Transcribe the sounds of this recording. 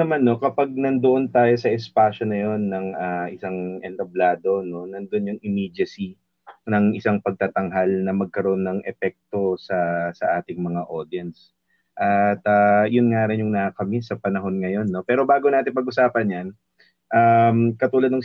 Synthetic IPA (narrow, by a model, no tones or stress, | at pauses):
ɐmanːo̞kɐpaɡ̚nɐnd̪oʔo̞nt̪aːjo̞sɐʔɛspaːʃo̞nɐjo̞nːɐŋʔaːʔɪsaŋʔɛnt̪ɐblaːd̪o̞no̞nɐnd̪oʔonjʊŋʔɪmid͡ʒɐsi | nɐŋʔɪsaŋpɐɡ̚t̪at̪ɐŋɦalnɐmɐɡ̚kɐɾoʔonːɐŋʔɛpɛk̚t̪o̞sɐsɐʔaːt̪ɪŋmɐŋaʔo̞d̪ɪɐns | ʔɐt̪ajʊnŋaːɾɪnjʊŋnɐkɐmɛsɐpɐnɐɦo̞nŋɐjo̞nːo̞pɛːɾo̞baːɡo̞naːt̪ɪnpɐɡ̚ʔʊsaːpɐnjɐn | ʔamkɐt̪uːlɐd̪nɐŋ